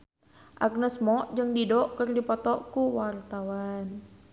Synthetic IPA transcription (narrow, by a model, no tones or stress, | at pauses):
ʔaɡ̚nəsmɔʔd͡ʒɨŋdidɔʔkərdipɔt̪ɔʔkuwart̪awan